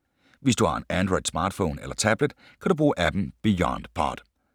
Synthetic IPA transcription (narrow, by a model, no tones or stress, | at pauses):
ʋe̝sd̥uhɑ̈e̝nænd̥ʁɔɪd̥smɑ̈ːd̥fo̰ːnelɐt͡sʰæb̥ləd̥ | kʰæɾub̥ʁuːʔæb̥m̩b̥ijɒnd̥pʰɑ̰d̥